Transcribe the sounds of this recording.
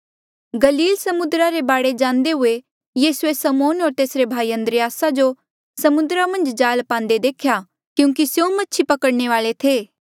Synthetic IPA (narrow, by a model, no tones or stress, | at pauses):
ɡɐliːlsɐmʊd̪ɾaɾebaːɽed͡ʒãːnd̪eɦʊe | jiːsuesɐmoːnɦɔːɾt̪eːsɾebʱaːiə̃nd̪ɾɪjaːsad͡ʒo | sɐmʊnd̪ɾamɐ̃nd͡ʒd͡ʒaːlpãːnd̪ed̪eːkʰja | kjũːŋk̬isjõmɐtːʃʰipɐkəɽɳeʋaːlet̪ʰeː